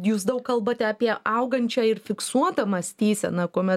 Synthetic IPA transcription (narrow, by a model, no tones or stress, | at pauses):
juːsd̪ɐʊkkɐlˠbɐt̪ʲɛɐpʲiɛɐʊɡɐnʲt͡ʃʲɛːɪrfʲɪksuɔt̪ɐmɐsʲt̪ʲiːsʲɛ̰nɐkuɔmʲɛt